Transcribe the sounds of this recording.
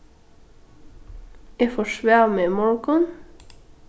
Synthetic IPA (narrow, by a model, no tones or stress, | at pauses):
efɔʃʋæːʁmeːmɔɹkɔn